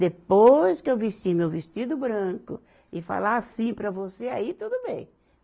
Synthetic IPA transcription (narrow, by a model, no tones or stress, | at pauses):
d̪epojskɪewvest͡ʃimewvest͡ʃid̪ʊbɾɐ̃kʊ | ɪfa̰laasĩpɾɐvoseait̪ud̪ʊbḛ̃j̃